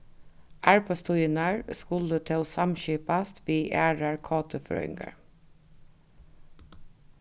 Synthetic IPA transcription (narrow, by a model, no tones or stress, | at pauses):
ʔæɹpʰəst̪ʊjənæɹskʉlət̪ʰɪoːsɑmçyːpɑst̪biːʔæːɹəɹkʰɑːt̪ʰəfø̰ːɪ̰ŋɡə̰ɹ